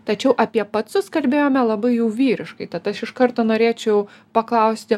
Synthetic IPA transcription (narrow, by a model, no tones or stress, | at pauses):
t̪ɐt͡ʃʲɛʊʔɐpʲiɛpɐt̪sʊskɐlʲbʲeːjoːmʲɛlˠɐbɐɪjuːʋʲiːɾʲɪʃkɐɪt̪ɐt̪ɐʃɪʃkɐrt̪oːnoːɾʲeːt͡ʃʲɛʊpɐklˠɐʊsʲt̪ʲɪ